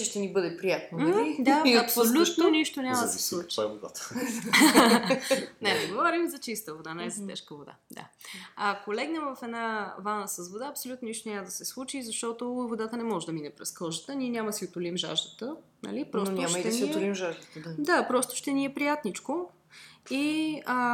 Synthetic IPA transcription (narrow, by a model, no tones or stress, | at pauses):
t͡ʃɛʃt̪ɛnibɤd̪ɛpɾijat̪̚noid̪aiɐpsolʲut̪noniʃt̪onʲamɐd̪ɐsɛslˠut͡ʃ̪aboɡ̪at̪ | nɛnɛɡovɔɾimzɐt͡ʃist̪əvod̪anɛɛzɐt̪ɛ̰ʃkəvod̪a̰d̪a̰akolɛɡnəmvɐfɛd̪navanəsəzvod̪aɐpsolʲut̪noniʃt̪onʲaməd̪ɐsɛslˠut͡ʃizɐʃt̪ɔt̪ovod̪at̪ənɛmɔʒɛd̪ɐminɛpɾɛskolˠʒət̪əniɛnʲamɐd̪siot̪ʊlimʒa̰ʒd̪ət̪ənɐ̰lipɾɔtnʲoad̪ɛnsɛlimʒaʒd̪ət̪ad̪apɾɔst̪ʊ̥ʃt̪ɛniɛpɾijat̪nit͡ʃko | iə